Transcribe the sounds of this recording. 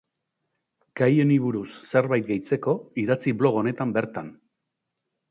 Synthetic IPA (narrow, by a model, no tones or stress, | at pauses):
ɡ̥ajeniβuɾusːe̞ɾβajt̪̚ɡejt͡se̞ko̞iðat͡siβlo̞ɣo̞ne̞t̪ambe̞ɾt̪an